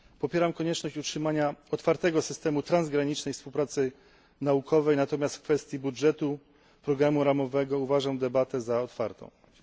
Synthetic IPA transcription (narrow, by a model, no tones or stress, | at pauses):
pɔpʲjɛɾamkɔɲɛt͡ʂnɔɕt͡ɕutʂɘmaɲaɔt̪faɾt̪ɛɡɔsɘst̪ɛmut̪ɾanzɡɾaɲit͡ʂnɛjfspuwpɾat̪sɘ | naukʰɔvɛjnat̪ɔmʲjast̪fkfɛst̪ʲjibudʐɛt̪u | pɾɔɡɾamuɾamɔvɛɡɔuvaʐamd̪ɛbat̪ɛzaɔt̪faɾt̪ɔ̰̃w̃